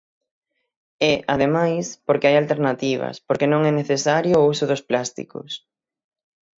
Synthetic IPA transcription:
ɛʔaðemajspoɾkɪajalt̪eɾnat̪iβ̞ɐ̰spoɾkenõŋɛneθesaɾjʊusʊðʊsplast̪ḭkʊ̰s

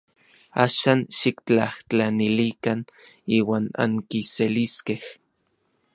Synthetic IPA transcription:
a̰ːʃaːnʃikt͡ɬaht͡ɬanilikan | iːwaːna̰ŋkiseliskeh

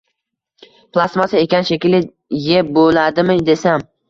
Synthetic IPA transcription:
plˠasmasɪekʲanʃekʲlɪ | jebolad̪ɪmɪd̪e̞sam

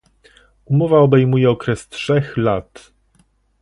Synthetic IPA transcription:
umɔvaɔbɛjmujɛɔkɾɛstʂɛxlat̪

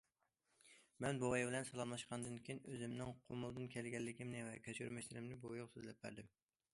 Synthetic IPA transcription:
mɛnbowɛjbɪlɛnsɑlˠɑmˠmlˠɑʃqʰɑnd̪ɨnkʲʰijinøzɪmnɪŋqʰomʊlˠd̪ɨnkʲʰɛlɡʲɛlːɪkʲʰimnɪvɛkʲʰɛskʲy̰ɾmɛʃlɪɾɪmnɪbojoʁsøzɨlɛp̚bæ̰ɾd̪ɪm

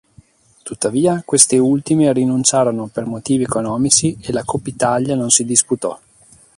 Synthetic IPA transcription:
t̪ut̪ːaviːakwest̪eult̪imerinunt͡ʃaːɾonopermot̪iːviɛkonɔːmit͡ʃielakopːit̪aʎjanonsid̪isput̪ɔ

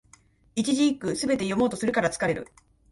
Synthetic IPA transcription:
it͡ɕiʑiikːɯ̟sɨbe̞t̪e̞jo̞mo̞ːt̪o̞sɨɾɯ̟kaɾat͡sɨ̥kaɾe̞ɾɯ̟̰

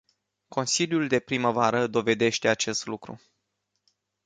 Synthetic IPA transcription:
ko̞nsiljuld̪e̞pɾiməvaɾəd̪o̞ve̞d̪e̞ʃt̪e̞at͡ʃe̞st̪lukɾṵ

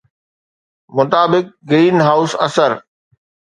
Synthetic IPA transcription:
mʊt̪aːbɪk̚ɡɾiːnɦaːʊsɐ̰səɾ

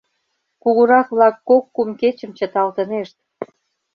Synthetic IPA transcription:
kuɣəɾɑkβlɑkːokːumket͡ɕə̆mt͡ɕə̆t̪ɑlt̪ə̆neʃt̪̚

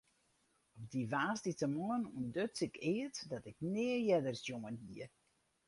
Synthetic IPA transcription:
ɔp̚diʋaːsditəmoənuəndøt͡sɪkɪətdɔtɪk̚nɪəjɛdərsjoŋənhiə

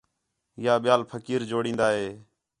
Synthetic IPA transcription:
ɪjaːɓɪjaːlpʰəkiːɾd͡ʒoːɽĩːnd̪aːɦeː

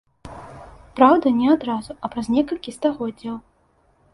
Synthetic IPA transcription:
pɾawd̪ɐnʲɛad̪ɾazuɐpɾɐzʲnʲɛkɐlʲkʲist̪aɣɔdd͡zʲːɐw

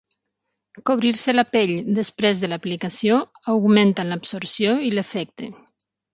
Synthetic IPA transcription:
koβ̞ɾiɾselapeʎd̪əspɾezðəlaplikasio | awɣument̪ənlapsoɾsjoilefɛk̚t̪ḛ

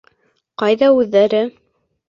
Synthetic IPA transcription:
qɑjðɑʉðːæɾɘ

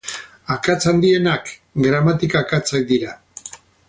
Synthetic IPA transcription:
akat͡sand̪ie̞nakɡɾamat̪ikaːkat͡sak̚d̪iɾa

